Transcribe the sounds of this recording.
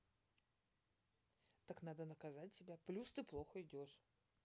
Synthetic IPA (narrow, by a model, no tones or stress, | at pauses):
t̪aknad̪ənəkɐzat̚ʲtʲːɪbʲaplʲust̪ɨplˠo̞xəɪdʲo̞ʂ